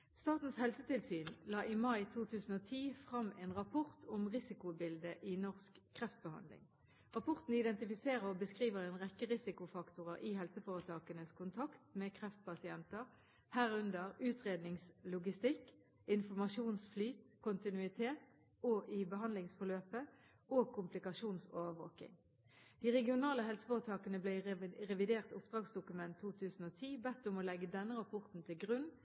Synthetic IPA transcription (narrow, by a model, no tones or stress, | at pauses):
st̪ɑːt̪n̩shɛlsət̪ɪlsyːnlɑːʔɪmɑɪt̪ʰuːt̪ʰʉːsən̩oːt̪ʰiːfʁɑmeːnʁɑpʰɔʁt̪ʰʊmʁɪsɪkʊbɪld̪əʔɪnɔʁskʰːʁɛft̪̚bəhɑ̰nd̪lɪ̰ŋ | ʁɑpɔʁt̪n̩ɪd̪ɛnt̪ɪfɪseːʁəʁɔbəskʁiːʋəʁeːnʁɛkːəʁɪsɪkʊfɑkt̪ʊʁəʔɪhɛlsəfoːʁət̪ʰɑːkənəskʰʊnt̪ʰɑkt̪mɛːkʰʁɛft̪̚pʰɑsɪɛnt̪əʁ | hæːʁʉnd̪əʁʉːt̪ʰʁeːd̪nɪŋslʊɡɪst̪ɪk | ɪnfɔmɑʃuːnsflyːt̪kʰʊnt̪ɪnʉɪt̪ʰeːt̪ | oːʔɪbəhɑnd̪lɪŋsfɔløːpə | oːkʰʊmplɪkɑʂuːnsoːʋəʋoːkɪ̰ŋ | d̪̥iːʁɛɡɪʊnɑːləhɛlsə̥foːʁət̪ʰɑːkənəblæɪʁɛʋɪd̪eːʁt̪ʊpd̪̥ʁɑːɡsd̪ʊkʉmɛnt̪ʰːuːt̪ʰʉːsn̩oːt̪ʰiːbɛt̪ːʊmoːlɛɡːəd̪ɛnːəʁɑpʰɔʁt̪n̩t̪ʰɪlɡʁʉn